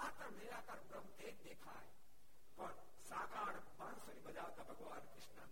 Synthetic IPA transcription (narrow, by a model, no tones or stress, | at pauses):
aːt̪əmeːɾakɐɾbɾəmt̪eːkd̪eːkʰa̰ːe | kɔːɾ | saːkaːɽ | bansɐɾibɐd͡ʒaːʋt̪abʱɐɡʋaːnkɾɪʃna̰n